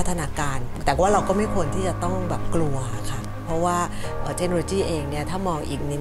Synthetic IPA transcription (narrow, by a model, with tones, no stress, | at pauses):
t̪ʰːa˧naː˧kaː˧nt̪ɛː˨˩waː˥˩ɾa˧wkɔː˥˩ma˥˩jkʰu˧ənt̪ʰiː˥˩t͡ɕa˨˩t̪ɔ˥˩ŋbɛː˨˩p̚klu˧ɐ˩kʰa˥˩ | pʰɾɔ˦˥waː˥˩ | ʔəː˨˩t͡ɕ̪ʰe˦˥k̚no˧loː˧t͡ɕiː˥˩ʔeː˧ŋni˥˩ɐt̪ʰaː˥˩mɔː˧ŋʔḭː˨˩k̚nɯ˧